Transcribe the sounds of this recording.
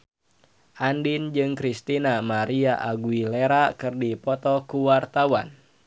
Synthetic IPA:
ʔandind͡ʒɨŋkɾist̪inamaɾiaʔaɡuileɾakɨrdipɔt̪ɔkuwart̪awan

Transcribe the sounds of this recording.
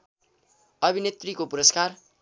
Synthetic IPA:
ʌbʱinet̪rikopuɾʌskar

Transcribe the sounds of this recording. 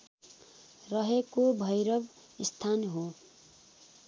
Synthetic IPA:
rʌɦekobʱʌjɾʌb | ist̪ʰanɦo

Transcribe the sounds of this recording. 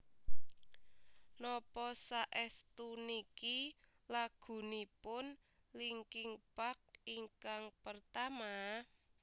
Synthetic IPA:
nɔpɔsaʔɛst̪uniki | laɡ̥ṳnipʊn | liŋkɪŋb̥ak̚iŋkaŋpərt̪ama

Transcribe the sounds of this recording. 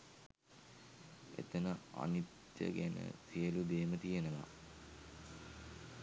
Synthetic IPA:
ḛt̪ənəa̰nit̪jə̰ɡænə̰sijəlud̪eːmət̪ijənəʋa̰

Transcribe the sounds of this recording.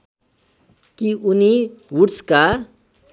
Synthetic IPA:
kiuniwuʈska

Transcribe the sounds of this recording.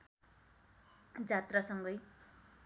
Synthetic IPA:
d͡zat̪rasʌŋɡʌj

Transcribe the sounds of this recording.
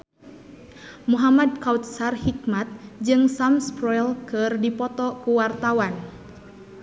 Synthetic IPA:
muɦamad̚kaut̪̚sarhik̚mat̪̚d͡ʒɨŋsamspɾɔjlkɨrdipɔt̪ɔkuwart̪awan

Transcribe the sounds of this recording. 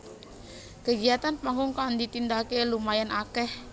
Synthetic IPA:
kəɡiat̪anpaŋʊŋkand̪it̪ind̪akelumajanʔakɛh

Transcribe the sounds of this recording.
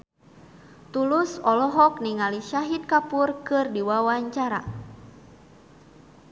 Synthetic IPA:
t̪ulusɔlɔɦɔk̚niŋaliʃaɦit̪̚kapurkɨrdiwawaɲt͡ʃaɾa̰

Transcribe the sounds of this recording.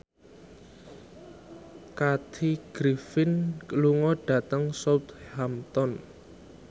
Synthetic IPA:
kat̪ʰiɡ̥ɾifɪnkəluŋɔɖ̥ä̤t̪əŋsɔwt̪hamt̪ɔn

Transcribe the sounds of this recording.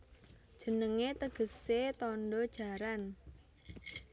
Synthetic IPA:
d̥ʒ̥ə̤nəŋet̪əɡ̥ə̤set̪ɔnɖɔd̥ʒ̥a̤ɾan

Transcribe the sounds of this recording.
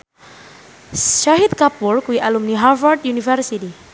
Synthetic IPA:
ʃaɦit̪̚kapurkuiʔalumniɦavard̪junifərsiti

